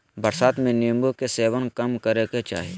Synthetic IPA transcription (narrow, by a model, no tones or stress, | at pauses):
bəɾsaːt̪mẽniəmbokeseːʋənkɐmkəɾeket͡ʃa̰ːɦieː